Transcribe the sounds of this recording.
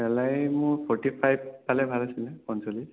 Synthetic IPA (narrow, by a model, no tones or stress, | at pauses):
bɛlajmʊpʰɔɹʈipʰajb̚palɛbʱalasilɛpɔnsoli